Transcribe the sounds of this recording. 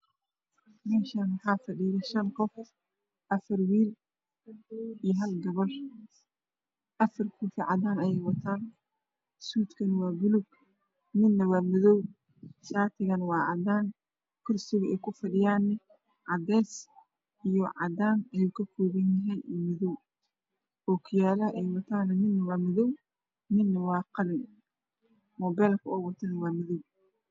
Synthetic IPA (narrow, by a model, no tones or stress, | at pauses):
mɛːʃɐnmɐħɑːfɐɖiːðɐʃɐnqɔf | ʔɐfɐrwiːl | ijɦɐlɡɐβɔr | ʔɐfɐrkʰuːfɪʕɑd̪aːnɐjɛjwɐt̪ʰaːn | suːd̪kʰɐnwɑːɡʊlʊɡ | mɪnːɐwɑːmɪðɔw | ʃaːt̪ʰɪɣɐnwɑːʕɑd̪aːn | kʰʊrsɪɣʊɛjkʰʊfɐɖɪjaːnːɐ | ʕɑd̪ɛːs | ʔijɔʕɑ̰d̪aːnɐjukʰɐkʰɔːβɐnjɐɦɛnmɪðɔw | ɔːkʰʊjaːlɐʔɛjwɐt̪ʰaːnɐnɪnːɐwɑːmɪðɔw | nɪnːɐwɑːqɑlɪn | mɔːbɛːlkʰɐɔːwɐt̪ʰɐnɐwɑːmɪðɔw